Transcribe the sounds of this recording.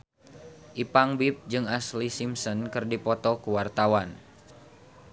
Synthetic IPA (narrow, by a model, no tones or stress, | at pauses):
ʔipaŋbip̚d͡ʒɨŋaslisimsɔnkɨrdipɔt̪ɔkuwart̪awan